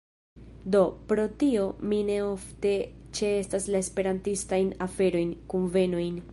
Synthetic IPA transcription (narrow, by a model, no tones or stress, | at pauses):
do̞pɾo̞tio̞mine̞o̞fte̞t͡ʃe̞estaslae̞spe̞ɾantistajnafe̞ɾo̞jnkunve̞no̞jn